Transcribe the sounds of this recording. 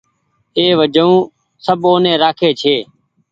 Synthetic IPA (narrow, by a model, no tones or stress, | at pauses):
eːʋəd͡ʒəũː | səboːnẽːɾaːkʰeːt͡ʃʰeː